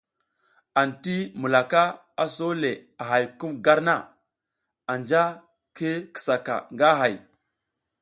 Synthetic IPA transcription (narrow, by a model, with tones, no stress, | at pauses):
a˨nti˦mu˨la˨ka˦ | a˨so˦le˨a˨ɦa˨jku˦mɡa˦ɾna˦˨ | a˨nd͡ʒa˦ | ke˦kə̥˨sa˨ka̰˨ŋɡa˦ɦa˨j